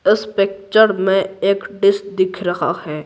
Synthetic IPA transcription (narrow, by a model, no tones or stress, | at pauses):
ɪspeːk̚t͡ʃəɾmẽeːkɖɪs̚d̪ɪkʰɾɐɦa̰hɛː